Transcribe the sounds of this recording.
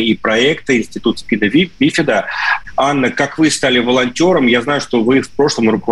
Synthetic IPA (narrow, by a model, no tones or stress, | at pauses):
ipɾɐɛkt̪əɪnʲsʲtʲɪt̪ut̪pʲinəvʲvʲifʲɪd̪əanːəkakvɨst̪alʲɪvəlˠɐnʲtʲo̞ɾəmjaznajʊʂt̪o̞vɨfpɾo̞ʂlˠəmɾʊkəv